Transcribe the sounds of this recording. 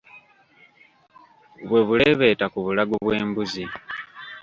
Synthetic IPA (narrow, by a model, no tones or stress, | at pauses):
βwe̞βuleβe̞ːtakuβulaɡuβwe̞ːmbuzi